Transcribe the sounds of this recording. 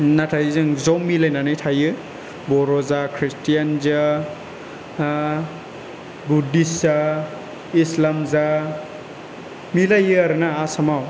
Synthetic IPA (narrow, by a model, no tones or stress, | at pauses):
natʰajɯzɯŋzɔwmilajnanɯjtʰajɯ | bɔɾɔzakʰɾistijanza | budisza | islamza | milajɯaɾɯnaːsamaw